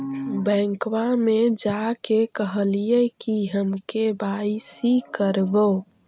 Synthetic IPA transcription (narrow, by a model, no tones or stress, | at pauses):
bɛ̃ŋkwamed͡ʒakekəɦəlijɛkiɦəmkebaisikəɾbo